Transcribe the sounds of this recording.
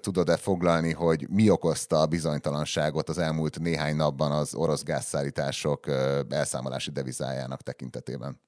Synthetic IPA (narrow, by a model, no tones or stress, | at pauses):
t̪ud̪o̞d̪ɛfo̞ɡlɒlniɦo̞ɟmio̞ko̞st̪ɒbizo̞ɲt̪ɒlɒnʃaːɡo̞t̪ɒzɛlmult̪neːɦaːɲnɒbːɒnɒzo̞ɾo̞zɡa̰ːsːaːlːiːt̪aːʃo̞kɛlsaːmolʔa̰ːʃid̪ɛviza̰ːja̰ːnɒkt̪ɛkint̪ɛt̪eːbɛn